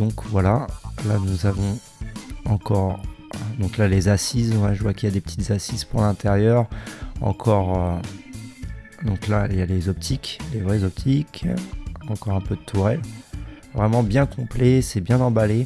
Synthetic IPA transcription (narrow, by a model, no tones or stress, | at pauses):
d̪̥ɔ̃kvwalalanuzavɔ̃ | ɑ̃kɔʁd̪ɔ̃klalezasizɔ̃vaʒəvwakiljad̪epət̪ʰi̥t̪zasizpuʁlɛ̃t̪eʁjœʁɑ̰̃kʰɔʁø | d̪ɔ̃klaljalezɔp̚t̪ʰiklevʁɛzɔp̚t̪ʰikʰ | ɑ̃kɔʁɛ̃pød̪ət̪ʰuʁɛlvʁɛmɑ̃bjɛ̃kɔ̃plɛsɛbjɛ̃nɑ̃bale